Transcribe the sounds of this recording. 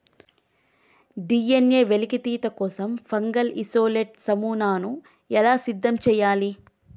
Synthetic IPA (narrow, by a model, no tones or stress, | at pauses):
ɖijenje̞ːʋelikit̪iːt̪ɐkɔːsɐmfɐŋɡɐlisoːleːʈsɐmuːnaːnu | ɛlaːsid̪ːɐmt͡ʃɛːjaːli